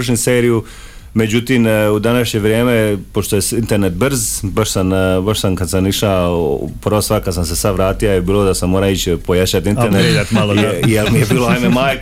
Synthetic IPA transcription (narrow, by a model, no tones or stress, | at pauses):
ʃɲiseːɾiju | me̞d͡ʑut̪imud̪anaʃɲe̞ʋɾje̞ːme̞poʃt̪o̞jesint̪e̞ɾnet̪̚br̩zbaʃsambaʃsamkad̪samiʃaprɾʋosakad̪samse̞sad̪ʋɾaːt̪iajbiːlod̪asamːoːɾait͡ɕpo̞jat͡ɕat̪ineɾneɾed̪at̪malijelmijebiːloajmemaːj